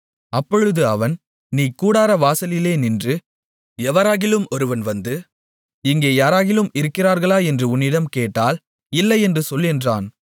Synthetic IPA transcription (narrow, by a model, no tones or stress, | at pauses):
ɐpːɔɻɯðɯɐʋɐn | niːkuːɽaːɾɐʋaːsɐlɪleːnɪndrɯ | ɛʋɐɾaːɣɪlɯmɔɾɯʋɐnʋɐnd̪ɯ | ɪŋɡeːjaːɾaːɣɪlɯmɪɾɯkːɪraːɾɣɐɭaːɛndrɯʊnːɪɽɐmkeːʈːaːl | ɪlːɐɪɛndrɯsɔlːɪndraːn